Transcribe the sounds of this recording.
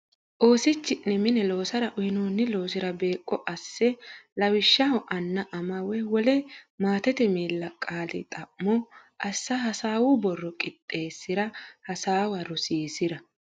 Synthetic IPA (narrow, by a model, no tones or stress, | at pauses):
ʔo̞ːsɪt͡ʃːɪnːɛmɪnɛlo̞ːsɐɾɐʔʊhɪnoːnːɪlo̞ːsɪɾɐbe̞ːkʼːɔʔɐsːɛlɐwɪʃːɐhɔʔɐnːɐʔɐmɐwɛwɔlɛmaːt̪ɛt̪ɛmiːlːɐkʼaːlɪ̰t̪ʼɐʔːɔʔɐsːɐɦɐsaːwʊbɔrːɔkʼɪt̪ʼːe̞ːsːɪɾɐhɐsaːwɐɾɔsiːsɪɾɐ